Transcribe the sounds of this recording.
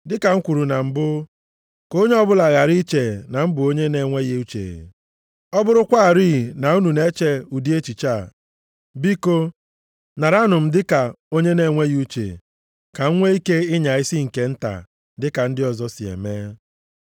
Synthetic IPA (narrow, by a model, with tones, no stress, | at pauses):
dɪ˦ka˨ŋ̩˦kʷu˨ɾu˨na˨m̩˦bʊ˦ | ko˦ɲe˦ɔ˦bʊ˦la˨ɣa˨ɾi˦t͡ʃe˨na˨m̩˦bʊ˨o˦ɲe˦ne˨ŋʷe˦ɣe˦u˦t͡ʃḛ˨ | ɔ˦bʊ˦ɾʊ˦kʷa˦a˨ɾiː˦˨na˨u˦nu˨ne˦t͡ʃe˦u˨di˦e˦t͡ʃi˨t͡ʃa˦˨ | bi˦ko˦ | na˨ɾa˦nʊ˨m̩˦dɪ˦ka˨ | o˦ɲe˦ne˨ŋʷe˦ɣu˦t͡ʃḛ˨ | ka˨ŋ̩˦ŋʷe˦i˦ke˦ɪ˦ɲa˨ɪ˦si˦ŋ̩˨ke˨˦n̩˦ta̰˨ | dɪ˦ka˨n̩˦dɪ˦ɔ˨zɔ˦si˨ḛ˨me˦